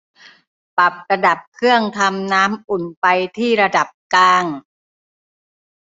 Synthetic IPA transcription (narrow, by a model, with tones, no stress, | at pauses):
pa˨˩p̚ka˧da˨˩p̚kʰɯ˥˩əŋt̪ʰa˧mnaː˦˥mʔu˨˩npa˧jt̪ʰiː˥˩ɾa˧da˨˩p̚kaː˧ŋ